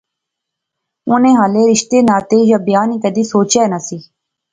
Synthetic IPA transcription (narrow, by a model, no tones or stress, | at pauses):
ʊnẽːɦaːleːɾɪʃt̪eːnaːt̪eːjaːbɪjaːniːkəd̪iːsoːt͡ʃɛːnəsiː